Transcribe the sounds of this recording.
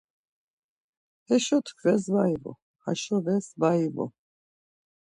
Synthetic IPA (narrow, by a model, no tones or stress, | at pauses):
hɛʃɔt̪ʰkʰvɛs̬vaivɔ̰ | haʃɔvɛsvaivɔ̰